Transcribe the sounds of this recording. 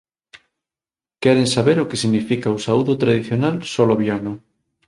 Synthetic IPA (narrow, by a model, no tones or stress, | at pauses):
kɛɾensaβeɾokesiɣnifikausauðot̪ɾaðiθjonalsoloβjano